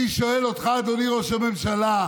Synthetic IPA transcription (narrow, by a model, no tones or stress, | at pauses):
iʃoelot̪χad̪oniʁoʃememʃala